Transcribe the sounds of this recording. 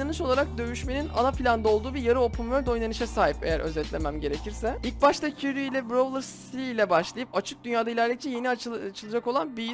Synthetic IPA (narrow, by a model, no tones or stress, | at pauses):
anɯʃo̞lˠaɾak̚d̪ø̞jyʃmenina̰nafilʲand̪ao̞lˠd̪uːbiɾjaɾɯo̞pʰumøɾd̪o̞jnanɯʃɛsaːɦipe̞jæɾʔø̞̰zɛt̪lʲe̞mæmɟe̞ɾe̞cʰiɾsɛilʲc̚baʃt̪ʰacʰyɾd̪yilʲɛbɾovlˠɾs | ilʲɛbaʃlˠajɯpat͡ʃʰɯk̚d̪ynjaːd̪ailʲæɾlʲic̚t͡ʃʰɛje̞niat͡ʃʰɯlˠad͡ʒako̞lˠanbi